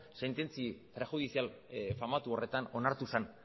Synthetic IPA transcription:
se̞nt̪e̞nt͡sit̪ɾexuð̞isial | famat̪uo̞re̞t̪ano̞naɾt̪usan

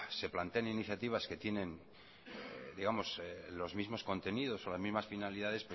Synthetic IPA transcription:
se̞plant̪e̞aniniθjat̪iβ̞aske̞t̪je̞nẽ̞n | d̪iɣamo̞slo̞zmizmo̞sko̞nt̪e̞niðo̞so̞lazmizmasfinaliðaðe̞spwe

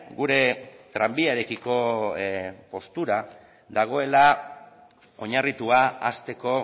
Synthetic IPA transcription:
ɡuɾe̞t̪ɾambiaɾekiko̞ | po̞st̪uɾa | d̪aɣ̞o̞e̞la | o̞ɲarit̪uaa̰st̪e̞ko̞

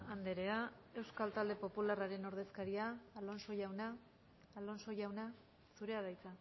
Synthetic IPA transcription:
and̪e̞ɾe̞ae̞wskalt̪ald̪e̞po̞pularaɾe̞no̞ɾð̞e̞skaɾiaːlo̞nso̞jawnaː | lo̞nso̞jawna | suɾe̞aðajt͡sa

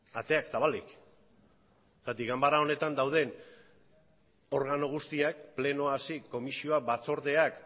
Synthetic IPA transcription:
at̪e̞aksaβalik | sat̪iɣambaɾao̞ne̞t̪and̪awð̞e̞n | o̞ɾɣano̞ɣ̞ust̪iak̚ple̞no̞asiko̞misio̞abat͡so̞ɾðe̞ak

